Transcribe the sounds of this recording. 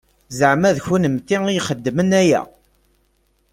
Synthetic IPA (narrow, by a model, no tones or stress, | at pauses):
zəʕmæðçunəmt̪ːiŋijχəd̪ːmənæjæ̰